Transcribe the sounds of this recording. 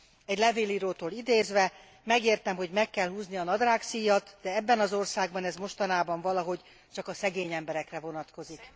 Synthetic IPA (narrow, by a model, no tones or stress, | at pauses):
ɛɟlɛveːliːɾoːt̪oːlid̪eːzʋɛ | mɛɡeːrt̪ɛmɦo̞ɟmɛkːɛlhuːzniɒnɒd̪raːksiːjɒt̪d̪̥ɛɛbːɛnɒzo̞rsaːɡ̚bɒnɛzmo̞ʃt̪ɒnaːbɒɱvɒlɒɦo̞ɟ | t͡ʃɒkɒsɛɡeːɲɛmbɛɾɛkrɛvo̞nɒt̪ko̞zik